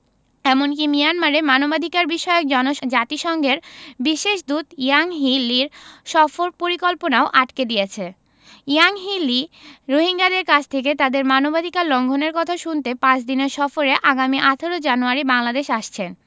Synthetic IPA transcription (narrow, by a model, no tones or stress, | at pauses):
ɛmonk̬imijanmaɾemanobad̪ʱikaɾbiʃɔeok̚d͡ʑɔnoʃd͡ʑat̪iʃɔŋɡʱeɾbiʃeʃd̪ut̪iaŋɦiliɾʃɔfoɾpoɾikolponaoʔaʈked̪ijet͡ɕʰe | iaŋɦiliɾoɦiŋɡad̪eɾkat͡ɕʰt̪ʰek̬et̪ad̪eɾmanobad̪ʱikaɾlɔŋɡʱoneɾkɔt̪ʰaʃunt̪epãt͡ɕd̪ineɾʃɔfoɾeʔaɡamiʔat̪ʰeɾod͡ʑanuaɾibaŋlad̪eʃaʃt͡ɕʰen